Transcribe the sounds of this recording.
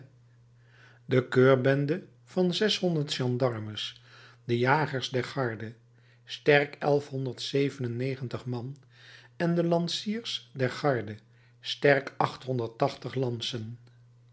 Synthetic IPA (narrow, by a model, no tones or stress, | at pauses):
dəkøːɹbɛndə | v̥ɑnzɛsɦɔndəɹtʃɑndɑɹməsdəjaːχəɹsdɛɹχɑɹdə | stɛrkɛlˠfɦɔndəɹtsejvənənejχəntəχmɑn | ɛndəlɑnsiːɹsdɛɹχɑɹdə | stɛɹkɑχtɦɔndəɹtɑχtəχlɑnsən